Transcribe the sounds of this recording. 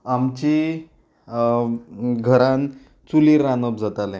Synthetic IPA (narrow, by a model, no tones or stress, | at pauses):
amt͡ɕi | ɡʱəɾan | t͡suliɾanəb̚d͡zat̪alẽ